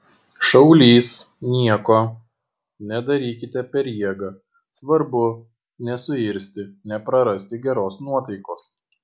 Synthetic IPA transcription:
ʃɐʊlʲiːs | nʲiɛkoː | nʲɛd̪ɐɾʲiːkʲɪt̪ʲɛpʲɛɾʲjiɛɡɐ | sʋɐɾbʊ | nʲɛsʊɪɾʲsʲt̪ʲɪnʲɛpɾɐɾɐsʲt̪ʲɪɡʲɛɾoːsnuɔt̪ɐɪkoːs

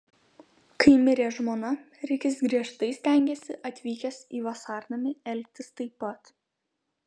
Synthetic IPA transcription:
kɐɪmʲɪɾʲeːʒmoːnɐ | ɾʲɪkʲɪsɡɾʲiɛʃt̪ɐɪsʲt̪ʲæˑŋʲɡʲeːsʲɪʔɐt̪ʲʋʲiːkʲɛsiːʋɐsɑːɾnɐmʲɪɛlʲk̚ʲt̪ʲɪst̪ɐɪpːɐt̪

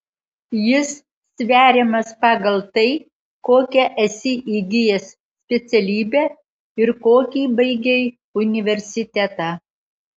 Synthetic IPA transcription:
jɪsːʲ | ʋʲæːɾʲemɐspɑːɡɐlˠt̪ɐɪ | koːkʲɛʔɐsʲɪʔiːɡʲɪjɛsːʲpʲɛt̪sʲɛlʲiːbʲɛː | ɪɾkoːkʲiːbɐɪɡʲɛ | ʊnʲɪʋʲɛɾʲsʲɪt̪ʲɛt̪ɑː

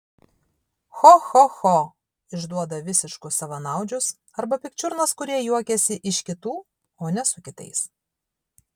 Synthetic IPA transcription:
xɔxɔxɔ | ɪʒd̪uɔd̪ɐʋʲɪsʲɪʃkʊsɐʋɐnɑˑʊd͡ʒʲʊs | ɐɾbɐpʲɪk̚t͡ʃʲʊɾnɐskʊɾʲiɛjuɔkʲɛsʲɪʔɪʃkʲɪt̪uː | oːnʲɛsʊkʲɪt̪ɐ̰ɪs

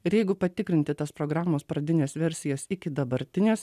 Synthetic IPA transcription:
ɪɾjɛɪɡʊpɐt̪ʲɪkɾʲɪnt̪ʲɪt̪ɐspɾoːɡɾɑːmoːspɾɐd̪ʲɪnʲeːsʋʲɛɾʲsʲɪjɛːsɪkʲɪd̪ɐbɐɾʲt̪ʲɪnʲeːs

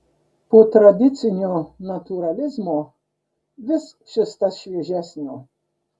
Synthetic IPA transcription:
pot̪ɾad̪ʲɪt̪sʲɪnʲonat̪uɾɐlʲɪzmo | ʋʲɪs | ʃɪst̪aʃʲʋʲɛʒʲæsʲnʲo

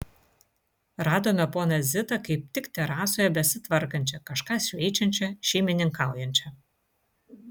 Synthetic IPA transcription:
ɾɑːd̪oːmʲɛpoːnɐzʲɪt̪ɐkɐɪp̚t̪ʲɪkt̪ʲɛɾɑːsoːjɛbʲɛsʲɪt̪ʋɐɾkɐnʲt͡ʃʲɛkɐʃkɑːsʲʋʲɛɪt͡ʃʲɛnʲt͡ʃʲɛʃʲɛɪmʲɪnʲɪŋkɑˑʊjɛnʲt͡ʃʲɐ

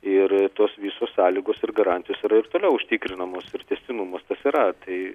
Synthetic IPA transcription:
ɪrt̪oːsʋʲiːsoːssɑːlʲiːɡoːsɪrɡɐɾɑnʲt̪ʲɪjoːsiɾɐɪrt̪oːlʲɛʊʊʃʲt̪ʲiːkɾʲɪnɐmoːsɪrt̪ʲɛsʲt̪ʲɪnumoːst̪ɐsiːɾɐt̪ɐɪ

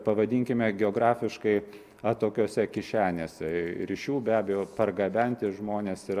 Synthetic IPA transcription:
pɐʋɐd̪ʲiːŋʲkʲɪmʲɛɡʲɛoːɡɾɑːfʲɪʃkɐɪ | ɐt̪oːkʲoːsʲɛkʲɪʃʲæːnʲeːsʲɛɾʲiʃʲuːbʲæːbʲɛjoːpɐrɡɐbʲɛnʲt̪ʲɪʒmoːnʲeːsɪ

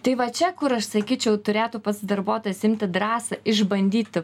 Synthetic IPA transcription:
t̪ɐɪʋɐt͡ʃʲɛkʊɾɐʃsɐkʲiːt͡ʃʲɛʊt̪ʊɾʲeːt̪uːpɐsd̪ɐrboːt̪ojsɪmʲt̪ʲɪd̪ɾɑːsɐɪʒbɐnʲd̪ʲiːt̪ʲɪ

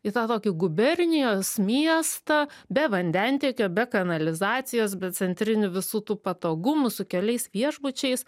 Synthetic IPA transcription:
ɪt̪ɑːt̪oːkʲɪɡʊbʲɛrʲnʲɪjoːsmʲiɛst̪ɐbʲɛʋɐnʲd̪ʲɛnʲt̪ʲiːkʲoːbʲɛkɐnɐlʲɪzɑːt̪sʲɪjoːsbʲɛt̪t͡ssʲɛnʲt̪ʲɾʲɪnʲʊʋʲɪsuːt̪uːpɐt̪oːɡʊmʊsʊkʲɛlʲɛɪsʋʲiɛʒbʊt͡ʃʲɛɪs

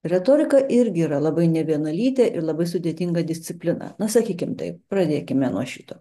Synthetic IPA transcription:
ɾʲɛt̪oːɾʲɪkɐʔɪɾʲɡʲɪiːɾɐlˠɐbɐɪnʲɛʋʲiɛnɐlʲiːt̪ʲɛʔɪɾlˠɐbɐɪsʊd̪ʲeːt̪ʲɪŋɡɐd̪ʲɪsʲt͡sʲɪpʲlʲɪnɐ̰nɐsɐkʲiːkʲɪmt̪ɐ̰ɪpɾɐd̪ʲeːkʲɪmʲɛnuɔʃʲit̪oː

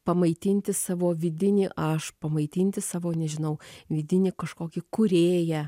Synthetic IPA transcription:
pɐmɐɪt̪ʲɪnʲt̪ʲɪsɑːʋoːʋʲɪd̪ʲɪnʲiʔɐʃpɐmɐɪt̪ʲɪnʲt̪ʲɪsɑːʋoːnʲɛʒʲɪnɐʊʋʲɪd̪ʲɪnʲɪkɐʃkoːkʲɪkʊɾʲeːjæ

